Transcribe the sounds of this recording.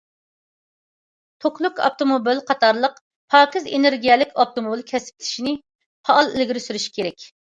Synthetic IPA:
t̪ʰokʰlˠukɑ̰p̚t̪omobilqʰɑt̪ʰɑɾlˠəq | pʰɑːkʲizḛneɾɡʲijɛlɪkʲʰɑp̚t̪omobilkʲʰɛsp̚ɪt̪ʰi̥ʃinɪ | pʰɑːlˠɪlɡʲiɾysyɾyʃi̥kʲʰeɾɛkʲ

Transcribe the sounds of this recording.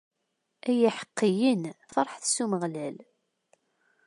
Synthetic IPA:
æjiħə̥qːijinfɑɾˤħθsuməʁlæl

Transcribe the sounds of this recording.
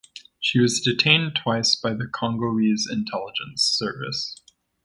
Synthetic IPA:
ʃiwʌzdɨtʰẽɪ̃ntʰw̥aɪsb̥aɪðɨkʰɑ̃ŋɡoʊizɨ̃ntʰɛlˠəd͡ʒɨ̃nsɜ˞vɨ̰s

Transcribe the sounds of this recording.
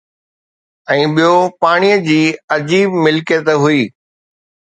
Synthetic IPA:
ɛ̃ːɓijopaːɽ̃ijəd͡ʑiːɐd͡ʑiːbmɪlkjət̪eɦʊiː

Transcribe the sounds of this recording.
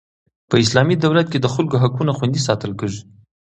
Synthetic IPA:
pəɪslɑmid̪awlat̪̚ked̪əxʊlkoɦakunaxwand̪is̬ɑt̪əlkəʐu

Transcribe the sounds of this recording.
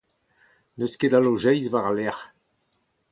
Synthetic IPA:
nøsked̪aloʒɛjzvaʁalɛʁ

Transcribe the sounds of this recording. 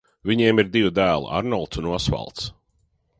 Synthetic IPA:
viɲiɛmiɾd̪ivud̪æːl̰ˠa̰ɾnɔlˠt̪sunuɔsva̰lˠt̪s

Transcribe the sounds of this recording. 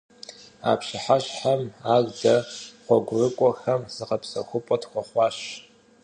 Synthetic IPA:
a̰pʃɪħaɕħamaːzdɐχʷɔɡʷʊrɨkʷʼɔxɐmz̥ɨqɐpʰsɐxʷʊpʼɔtxʷɔχʷɑːɕ

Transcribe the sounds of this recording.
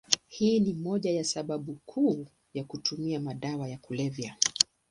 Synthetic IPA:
hiːnimɔʄajasaɓaɓukʰuː | jakutumiamaɗawajakulɛvja

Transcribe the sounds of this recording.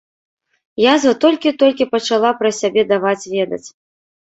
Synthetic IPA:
jazvɐt̪ɔlʲkʲit̪ɔlʲkʲipɐt͡ʂalˠapɾɐsʲabʲɛd̪avat͡sʲvʲɛd̪ɐ̰t͡sʲ

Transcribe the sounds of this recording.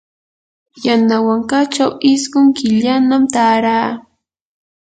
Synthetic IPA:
janawaŋkat͡ʃawɪsɢʊŋkɪʎanamt̪aːɾaː

